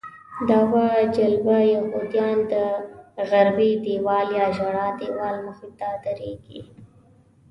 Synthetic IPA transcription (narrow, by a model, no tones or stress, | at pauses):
d̪awad͡ʒalbajaxod̪jɑːnd̪əɣaɾbid̪ewɑːljɑʒaɽɑd̪ewɑːlməxit̪ad̪əɾeɡḭ